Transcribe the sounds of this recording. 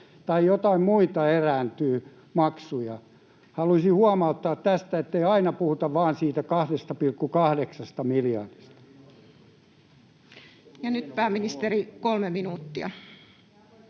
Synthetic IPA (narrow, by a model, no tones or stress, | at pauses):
t̪ɑijot̪ɑimmuit̪ɑeræːnt̪yː | mɑksujɑ | hɑluisihuɑmɑut̪ːɑːt̪t̪æst̪æet̪ːeiɑinɑpuhut̪ɑʋʋɑːnsiːt̪ækɑhdest̪ɑpilkːukɑhdeksɑst̪ɑmiljɑ̰rd̥ist̪ɑ̥ | jɑnyt̪pæːminist̪eɾikolmeminuːt̪ːiɑ̰